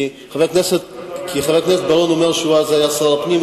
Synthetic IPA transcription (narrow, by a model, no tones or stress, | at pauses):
χavekneset̪̚kʰiχavekneset̪̚balonomeʁʃuazajasapnim